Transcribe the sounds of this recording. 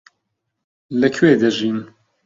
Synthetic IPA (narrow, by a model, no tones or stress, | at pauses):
ləkʰweːd̪əʒiːn